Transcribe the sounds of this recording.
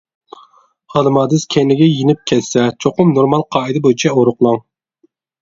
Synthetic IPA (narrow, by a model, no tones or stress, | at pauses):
ɑlˠɨmɑːd̪ɨskʲʰɛnɪɡʲɛjinɪp̚kʲʰɛt̪sɛt͡ʃʰoqʊmnoɾmɑlˠqʰɑːid̪ɨbojt͡ʃʰɛoɾʊqlˠɑŋ